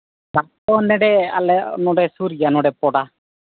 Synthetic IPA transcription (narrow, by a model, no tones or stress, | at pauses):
bat̪ɔnɛɖɛa̰lɛnɔɖɛsuɾɡanɔɖɛpɔɽa